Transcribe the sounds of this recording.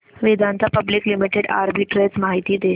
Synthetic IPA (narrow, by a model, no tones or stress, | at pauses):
ʋed̪ʱãnt̪ʰapəbliklimiʈeɽa̰ɾbiʈɾet͡smaɦit̪iːd̪e